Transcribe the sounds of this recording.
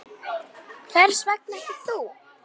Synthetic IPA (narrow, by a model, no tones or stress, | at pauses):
kʰθɛɾ̥svɛk̚nɛht̪ɪ̥θu